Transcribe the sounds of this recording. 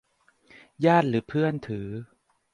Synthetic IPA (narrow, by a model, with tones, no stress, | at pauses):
jaː˥˩t̪̚ɾɯː˩˦pʰɯ˥˩ənt̪ʰɯː˩˦